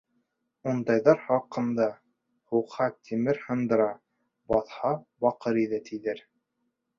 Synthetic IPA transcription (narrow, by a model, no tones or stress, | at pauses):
und̪ɑjðɑɾχɑqɤ̆nd̪ɑ | huqhɑt̪ʰimɘɾhɤ̆nd̪ɤ̆ɾɑ | bɑθhɑbɑqɤɾiðɘt̪ʰiðɘɾ